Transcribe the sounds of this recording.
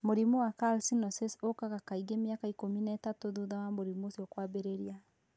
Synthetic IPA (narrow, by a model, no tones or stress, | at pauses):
moɾimuwakalsinɔsesokaɣakaiɡemeakaikominaɛːtatoðuðawamoɾimosjɔkwabeɾeɾia